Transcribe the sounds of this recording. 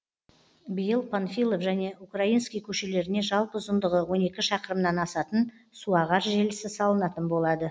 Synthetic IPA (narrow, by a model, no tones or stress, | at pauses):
bijəlˠpʰonfʲilˠofʒæne̞ʔukraijnskʲijkʲʰɵʃele̞ɾɪne̞ʒɑlˠpəzənd̪əʁəwo̞ne̞kʲɪʃɑqəɾəmnɑnɑsɑt̪ən | suɑʁɑɾʒelɪsɪsɑlˠənɑt̪ənbo̞lˠɑd̪ə